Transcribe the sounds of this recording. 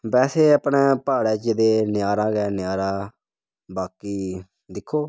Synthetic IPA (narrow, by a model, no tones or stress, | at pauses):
bɛːseːəpɳeːpaːɽɛːt͡ʃəd̪eːnɪjaːɾãːɡɛːnɪjaːɾãː | baːkiː | d̪ɪkʰːoː